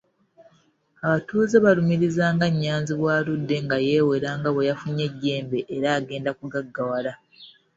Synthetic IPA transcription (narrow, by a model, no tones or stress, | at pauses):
aβatuːzeβalumiɾizaːŋɡaɲːaːnziβwaːludːe̞ŋɡaje̞ːwe̞ɾaːŋɡaβwejafuɲːe̞ɟːe̞ːmbe̞ʔːɾaːɡe̞ːndakuɡaɡːawala